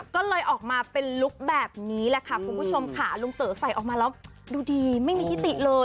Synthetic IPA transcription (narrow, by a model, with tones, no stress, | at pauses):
kɔː˥˩lɤː˧jʔɔː˨˩k̚maː˧pe˧nlu˦˥k̚bɛː˨˩p̚niː˦˥lɛ˧˩kʰa˦˥˩kʰu˧npu˥˩t͡ɕʰo˧mkʰaː˧˩˦lu˧ŋsɤː˩˦sa˨˩jʔɔː˨˩k̚maː˧lɛː˦˥w | duː˧diː˧ma˥˩jmiː˧jʰi˦˥t̪i˨˩ʔlɤː˧j